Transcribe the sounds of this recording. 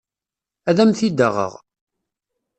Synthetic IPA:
æðæmθid̪əʁə̰ʁ

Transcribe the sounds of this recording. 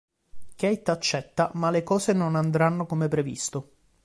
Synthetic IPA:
kɛjt̪at͡ʃːɛt̪ːamalekɔːsenonand̪ɾanːokomepɾevḭst̪o

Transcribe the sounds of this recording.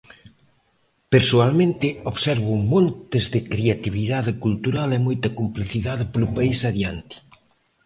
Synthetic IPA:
peɾsoalmẽnt̪ɪoβsɛɾβʊmõnt̪ɪzðɪkɾeat̪iβiðaðɪkult̪uɾalemojt̪ɐkompliθiðaðɪpolʊpaisaðjant̪i̥

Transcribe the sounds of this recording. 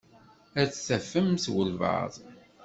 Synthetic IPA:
æt͡ssæfəmθwəlvə̰ðˤ

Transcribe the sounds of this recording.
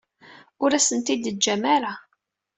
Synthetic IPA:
ʊɾæsənt̪id̪əd͡ʒːæmaɾa

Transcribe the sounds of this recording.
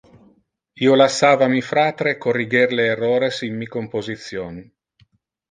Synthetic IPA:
iːolasːaːvamifɾat̪ɾekoriɡerleːrːɔːɾesimːikompozit̪sːjoːni

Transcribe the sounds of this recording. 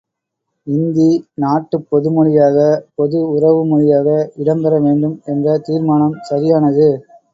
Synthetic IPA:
ɪnd̪inaːʈːɯpːɔðɯmʊɻɪjaːɣɐpɔðɯʊrɐʋɯmʊɻɪjaːɣɐɪɽɐmbɐɾɐʋeːɳɖɯmɛndrɐt̪iːɾmaːnɐmsɐɾɪjaːnɐðɯ

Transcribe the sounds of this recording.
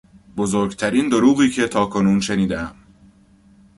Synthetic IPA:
bozoːɾɡt̪ʰæɾiːnd̪o̞ɾuːɣiːcʰe̞t̪ʰɒːkʰo̞nuːnʃe̞niːd̪eæm

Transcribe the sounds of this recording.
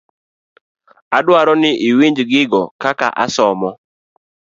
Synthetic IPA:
adwaɾɔnɪʔiwiɲd͡ʒɡɪɡɔkaka̰ʔa̰sɔmɔ

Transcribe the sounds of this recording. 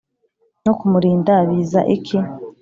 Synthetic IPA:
nokumuɾiːndaβizaʔikʰi

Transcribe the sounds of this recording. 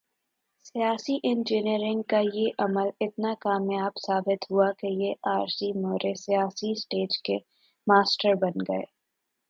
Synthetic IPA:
sijaːsiʔɪ̃nd͡ʒɪniɾɪ̃ŋɡ̚kajeʔɐməlɪt̪nakaːmjaːbsaːbɪt̪ɦʊakejeʔaːɾsimoːɾʔesijaːsisʈeːd͡ʒke | maːsʈəɾbɐnɡɐḛː

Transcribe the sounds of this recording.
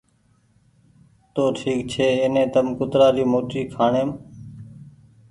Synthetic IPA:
t̪oːʈʰiːkt͡ʃʰeːeːnẽːt̪əmkʊt̪ɾaːɾiːmoːʈiːkʰaːɳeːm

